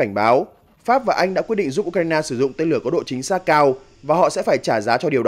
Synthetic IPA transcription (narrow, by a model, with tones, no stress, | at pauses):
a˧˩ŋ̟ɓaː˨˦w | faː˦˥p̚vaː˨˩ʔa˧jŋ̟ɗa̰ː˧˥kw̚ɗḭ˧˨ŋzu˦˥p̚ʔu˧k̚a˧jnaː˧sɨ˧˩zʊ̰˧˨ŋ͡mt̪e˧nlɨ˧˩əkɔ˨˦ɗo̰˧˨t͡ɕi˨˦ŋ̟saː˦˥t̚kaː˧w | vaː˨˩ɦɔ̰˧˨sɛ̰˧˥faː˧˩jt͡ɕaː˧˩zaː˨˦t͡ɕɔ˧ɗi˨˩əwɗ